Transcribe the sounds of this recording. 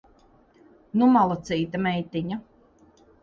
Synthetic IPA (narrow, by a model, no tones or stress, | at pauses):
numalˠat̪siːt̪amɛjt̪iɲa